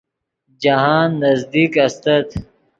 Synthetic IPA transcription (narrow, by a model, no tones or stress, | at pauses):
d͡ʒɐɦaːnːɐzd̪iːkɐst̪ɐt̪